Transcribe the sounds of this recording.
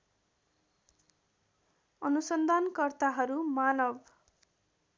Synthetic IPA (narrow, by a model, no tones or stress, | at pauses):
ʌnusʌnd̪ʱankʌrt̪aɦʌɾumanʌb